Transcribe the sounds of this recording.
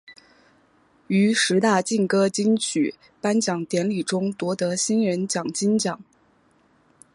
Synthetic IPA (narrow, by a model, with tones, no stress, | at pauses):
y˧˥ʂɻ̩˧˥t̪a˥˩t͡ɕi˥˩nkɤ˥t͡ɕi˥ŋt͡ɕʰy̰˨˩ | pa˥nt͡ɕjɑ˨˩ŋt̪jɛ˧˥nli˨˩ʈ͡ʂʊ˥ŋt̪wɔ˧˥t̪ɤ˧˥ɕi˥nɻə˧˥nt͡ɕjɑ˨˩ŋt͡ɕi˥nt͡ɕjɑ˨˩˦ŋ